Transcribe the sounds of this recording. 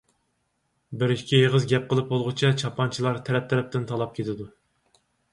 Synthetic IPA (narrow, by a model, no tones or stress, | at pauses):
bɪɾiʃkʲʰieʁəzɡʲɛp̚qəlˠɨp̚bolˠʁʊt͡ʃʰɛt͡ʃʰɑpʰɑnt͡ʃʰilˠɑɾt̪ʰɛɾɛp̚t̪ʰɛɾɛp̚t̪ʰɪnt̪ʰɑlˠɑp̚kʲʰet̪ʰɪd̪u